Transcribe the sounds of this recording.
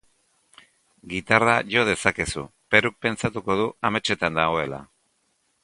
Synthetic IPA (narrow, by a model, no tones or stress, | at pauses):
ɡit̪araʝo̞ð̞e̞sake̞sṵpeɾuk̚pe̞nt͡sat̪uko̞ð̞uame̞t͡ʃe̞t̪and̪aɣo̞e̞la̰